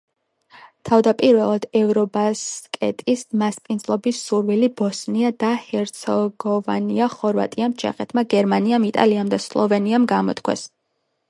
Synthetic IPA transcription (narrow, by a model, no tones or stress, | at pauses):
t̪ʰavd̪apʼiɾvɛlˠad̪ɛvɾɔbaskʼɛ̰t̪ʼismaspʼind̪zlˠɔbisːuɾvilibɔsniad̪ahɛɾt̪sʰɔɡɔva̰niaχɔɾva̰t̪ʼiamt͡ʃʰɛ̰χɛt̪ʰmaɡɛɾmaniamit̪ʼa̰liamd̪aslˠɔvɛniamɡamɔ̰t̪kʰwɛ̰s